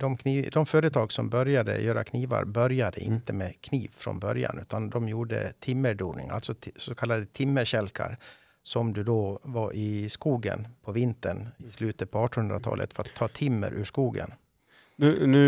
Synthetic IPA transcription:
d̪ɔmkʰniːd̪ɔmfœːɾət̪ʰɑːɡsɔmbœɾjad̪ə̰jœːɾa̰kʰniːva̰ɾbœɾjad̪əʔɪnt̪əmeːkʰniːvfɾɔ̰nbœɾja̰nʔʉ̟ːt̪and̪ɔmjuːɖə̰t̪ʰɪmːəɖuːɾnɪ̰ŋa̰lt̪sɔsɔkʰalːad̪ət̪ʰɪmːəɾɕɛlkʰa̰ɾ | sɔmd̪ɵd̪ovaɾʔɪskuːɡə̰npʰɔvɪnt̪əɳɪslʉːt̪ət̪̚pʰɔɑːʈɔnɵnd̪ɾat̪ʰɑ̰ːlʔə̰t̪fœɾat̪ʰːɑːt̪ʰɪmːə̰ɾʔʉːʂkuːɡə̰n | nʉnʉ

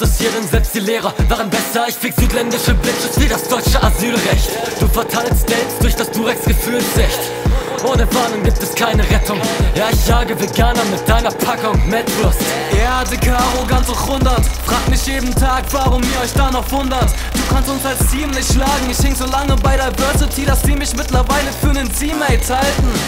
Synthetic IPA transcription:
d̥ashiːɐdənzɛt͡std̥iːleːʁɐvaːʁənbɛsɐɪçfɪːkz̥yːtʰlɛndɪʃəblɪkʃəviːdasd̥ɔʏt͡ʃəʔazyːlʁɛçtd̥uːfɛɐtʰaɪlstz̥ɛlpst̚d̥ʊɐçd̥asd̥uːʁɛksɡ̥əfyːltz̥ɪçt | ʔoːnəvaːnʊŋɡiːp̚tɛskʰaɪnəʁɛtʰʊŋjaːɪçjaːɡəveɡaːnɐmɪt̚d̥aɪnɐpʰakəʊntmɛtlʊst | jaːdikʰaːʁoɡant͡sɔχvʊndɐtfʁ̥aːk̚tmɪçjeːdn̩tʰaːkv̥aːʁʊmiːɐɔʏçd̥aːnɔχv̥ʊndɐt | d̥uːkʰanstʊnsalstʰiːmnlɪçtʃlaːɡŋ̩ɪçhɪŋzoːlaŋəbaɪdeɐbœɐsɪtʰiːdasz̥iːmɪçmɪtlɐvaɪləfyːɐnənziːmɛɪlt͡shaltn̩

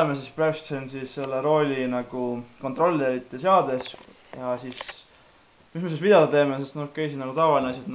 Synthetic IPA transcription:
emesispresksensisselːeɾo̞lʲinɑɡ̥uko̞nt̪ro̞lʲːeɾit̪ːˑeseɑːd̪e̞s | jɑsis | mismesisvid̪ɑd̪̥ɑt̪e̞ːmesest̪nokːˑe̞jsinɑɡut̪ɑvɑlineɑs̬ʲjɑd̪n

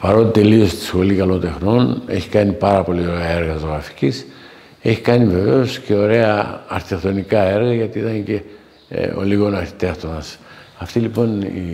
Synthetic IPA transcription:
pɐɾo̞t̪it̪e̞lio̞st̪i̥sxo̞likɐlo̞nt̪e̞xno̞ne̞̰çi̥kɐnipɐɾɐpo̞lioɾeɐe̞ɾɣɐzoɣɾɐfi̥cis | e̞çikɐnive̞ve̞o̞sce̞o̞ɾe̞ɐɐɾθit̪ext̪o̞nikɐe̞ɾɣɐʝɐt̪iit̪ɐnce̞ | o̰liɣo̞nɐɾθi̥t̪e̞xt̪o̞nɐsɐft̪ilipo̞nḭ

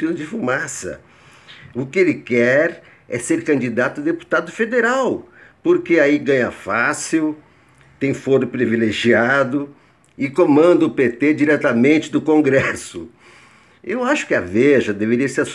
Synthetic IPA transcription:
ilʊd͡ʒɪfumasɐ̰ | ʊkɪelɪkɛɾ | ɛseɾkɐ̃nd͡ʒid̪at̪ʊd̪epu̥t̪ad̪ʊfed̪eɾawpoɾkeaiɡɐ̃ɲɐfasiw | t̪ẽj̃foɾʊpɾivileʒiad̪ʊ | ɪkomɐ̃nd̪ɐʊpet̪ed͡ʒiɾɛt̪ɐmẽnt͡ʃɪd̪ʊkõŋɡɾɛsʊ | ewaʃʊ̥kɪɐveʒɐd̪eveɾiɐsea

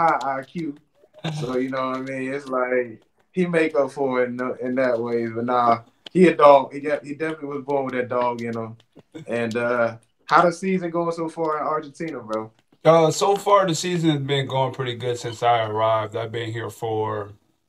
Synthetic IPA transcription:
haɪaɪkʰjʉt̚ | soʊjɨnoʊaɪmĩnɪtslaɪk̚ | himeɪkʌpfə˞ɪ̃noɪ̃nðɨt̚weɪbʌtⁿnaʊ | hiɨdɔɡhiɡɑt̚hidɛfnəʔliwʌzbɔɹ̃nwɨðɨt̚d̥ɔɡjɨnoʊ | ʔɨ̃nʌ | haʊɾɨsizɨ̃nɡoʊɪ̃ŋsoʊfɑɹɨ̃nɑɹd͡ʒɨ̃n̩tʰĩnəɹɛl | ʌsoʊfɑɹðɨsizɨ̃nbiɨ̃ŋɡoʊɪ̃ŋpʰɹ̥ɪɾiɡʊd̥sɪ̃nsaɪə˞aɪvdaɪvbɨ̃nɦiɹfə˞

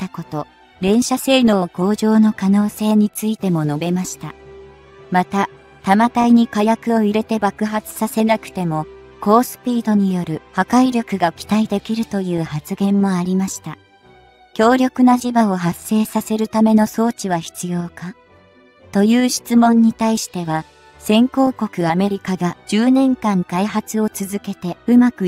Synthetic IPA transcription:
t̪ːako̞t̪o̞ | ɾẽ̞ɰ̃ɕase̞ːno̞ːko̞ːʑo̞ːno̞kano̞ːse̞ːɲ̟it͡sɨit̪e̞mo̞no̞be̞maɕi̥t̪a | mat̪a | t̪amat̪aiɲ̟ikajakɯ̟o̞iɾe̞t̪e̞bakɯ̟ɦat͡sɨ̥sase̞nakɯ̟̥t̪e̞mo̞ | ko̞ːsɨ̥pʲiːd̪o̞ɲ̟ijo̞ɾɯ̟hakaiɾʲo̞kɯ̟ɡaokʲi̥t̪aid̪e̞kʲiɾɯ̟t̪o̞jɯ̟ːhat͡sɨɡẽ̞mːo̞aɾʲimaɕi̥t̪a | kʲo̞ːɾʲo̞kɯ̟naʑibao̞ɦasːe̞ːsase̞ɾɯ̟t̪ame̞no̞so̞ːt͡ɕiβ̞açi̥t͡sɨjo̞ːka | t̪o̞jɯ̟ːɕi̥t͡sɨmõ̞ɲ̟ːit̪aiɕi̥t̪e̞βa | sẽ̞ŋko̞ːko̞kɯ̟ame̞ɾʲikaɡad͡ʑɨːnẽ̞ŋkãŋkaiɦat͡sɨo̞t͡sɨzɨke̞t̪e̞ɯ̟makɯ̟

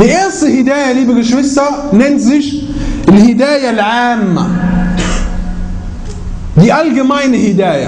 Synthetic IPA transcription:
bɪʔeːsˤihɪd̪aːjaliːbɪɡɪʃwɪsːanɪnzɪʃ | ɪlhɪd̪aːjalʕaːmːa̰ | diʔalɡɪmajnɪhɪd̪aːja̰

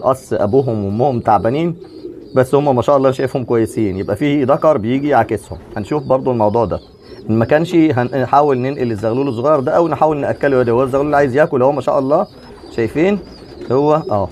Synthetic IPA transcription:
ʔɑsˤːʔæ̰buːɦomwomːohomt̪aʕbæniːn | bæsːhomːæmæʃæːʔɑlˤːɑːnʃæjefhomkwæjːesiːnjebʔæfiːd̪ɑkɑɾˤbejiːɡiʕakeshomhænʃuːfbɑɾˤd̪ˤoelmɑwd̪ˤuːʕd̪æ̰ | ʔenːmækæːnʃiɦænħaːwelnenʔilezːæɣluːlesˤoɣɑːjɑɾˤd̪æʔæwnħaːwelneʔækːælujæd̪æhwæezːæɣluːlːʕaːjezjæːkolhowæmæʃæ̰ːʔɑlˤːɑː | ʃæjfiːn | howːæʔæː

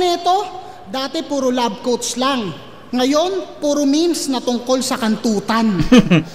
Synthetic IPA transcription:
nɛt̪o̞ | d̪aːt̪ɛpuːɾʊlab̚kowt̪slaŋː | ɐjo̞npuːɾʊminsnɐt̪ʊŋko̞lsɐkɐnt̪uːt̪ɐn

